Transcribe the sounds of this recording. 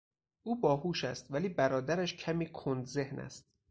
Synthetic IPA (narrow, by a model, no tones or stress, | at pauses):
ʔuːbɒːhuːʃæst̪væliːbæɾɒːd̪æɾæʃcʰæmiːkʰond̪ze̞hnæ̰st̪̚